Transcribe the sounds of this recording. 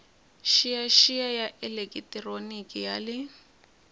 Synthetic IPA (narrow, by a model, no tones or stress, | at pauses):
ʃijaʃijajaʔɛlekʼitʼironikʼijalɪ